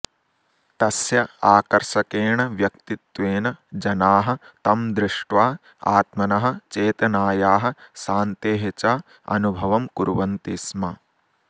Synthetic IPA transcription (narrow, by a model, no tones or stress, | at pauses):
t̪ɐsjɐaːkɐɾʃɐkeːɳɐʋjɐkt̪it̪ʋeːnɐd͡ʒɐnaːɦɐ̆t̪ɐmd̪ɾɪʂʈʋaː | a̰ːt̪mɐnɐɦɐ̆t͡ʃeːt̪ɐnaːjaːɦɐ̆saːnt̪eːɦet͡ʃaː | ɐ̰nubʱɐʋɐmkuɾʋɐnt̪ismɐ